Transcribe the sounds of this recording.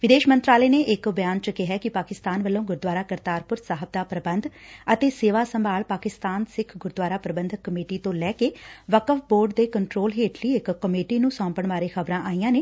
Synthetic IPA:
ʋɪd̪eːʃmə̃nt̪ɾaːleːneːʔɪkbɪjaːnt͡ʃəkɪɦɛːkɪpaːkɪst̪aːnʋəlːõːɡʊɾd̪waːɾaːkəɾt̪aːɾpʊɾsaːɦəb̚d̪aːpɾəbə̃nd̪ət̪eːseːʋaːsəmbʱaːlpaːkɪst̪aːnsɪkʰɡʊɾd̪waːɾaːpɾəbənd̪ʱəkːəmeːʈiːt̪õːlɛːkeːʋəkəfboːɾɖd̪eːkəɳʈɾoːlɦeːʈliːɪkːəmeːʈiːnũːsɔ̃ːmpəɳʋaːɾeːxʰəbɾãːʔaːijãːneː

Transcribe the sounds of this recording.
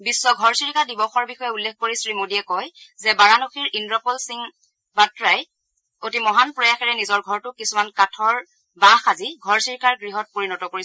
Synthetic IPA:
bisːɔɡʱɔɹsiɹkʰadibɔxɔɹbixɔjɛulːek̚ʰkoɹisɹimodiɛkɔjzɛbaɹanoxʰiɹʔindɹɔpɔlsiŋ | batɹaj | otimɔɦanpɹɔjaxɛɹɛnizɔɹɡʱɔɹtʊkisumankatʰɔɹ | baxaziɡʱɔɹsiɹkʰaɹɡɹiɦɔt̚poɹinɔtɔkoɹi

